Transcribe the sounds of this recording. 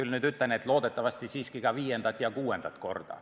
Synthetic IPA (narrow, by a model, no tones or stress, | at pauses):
ylnyːd̪yt̪ːˑænet̪lo̞ːd̪et̪ːˑɑvɑst̪isiːskikɑviːjend̪ɑt̪jɑkuːe̞nd̪̥ɑt̪ko̞̰rd̪̥ɑ̰